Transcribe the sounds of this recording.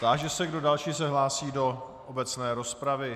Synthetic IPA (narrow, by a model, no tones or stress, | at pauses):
t̪aʒɛsɛɡdo̞dalʃiːs̬ɛɦlaːsiːdo̞ | obɛt͡snɛːɾo̞spɾavɪ